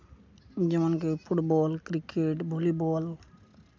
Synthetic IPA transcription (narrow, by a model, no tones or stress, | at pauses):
d͡ʒəmənkeːpʰʊʈbɔːlkɾɪkeːʈbʱoːliːbɔːl